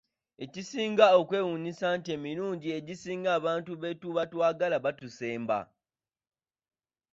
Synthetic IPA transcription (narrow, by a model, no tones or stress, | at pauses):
e̞cisiːŋɡao̞kwe̞ːwunisantie̞ːmiɾuːɲɟie̞ɟisiːŋɡaːβaːntuβe̞tuβatwaːɡalaβatuse̞ːmba̰